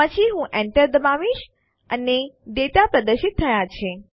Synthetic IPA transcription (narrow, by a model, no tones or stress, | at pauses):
ət͡ʃʰiɦũʔɛɳʈəɾd̪əmaʋiʃ | əneɖet̪apɾəd̪əɾʃɪt̪ʰːəjat͡ʃʰe